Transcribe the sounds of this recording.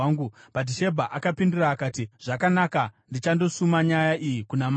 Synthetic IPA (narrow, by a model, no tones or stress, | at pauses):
ŋɡupadiʃe̞bʱaʔakapindiraːkaːtiʐ̥akanakandit͡ʃando̞sumaɲajaʔijikunam